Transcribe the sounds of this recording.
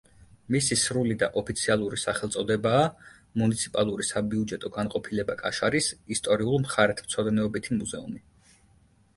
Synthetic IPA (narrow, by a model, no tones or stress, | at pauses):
misisɾulid̪aʔɔpʰit̪sʰialˠuɾisaχɛlˠt̪sʼɔd̪ɛbaː | munit̪sʰipʼalˠuɾisabiud͡ʒɛt̪ʼɔɡanqʼɔpʰilɛbakʼa̰ʃaɾisist̪ʼɔɾiulˠmχaɾɛt̪ʰm̥t̪sʰɔd̪nɛɔbit̪ʰimuzɛṵmi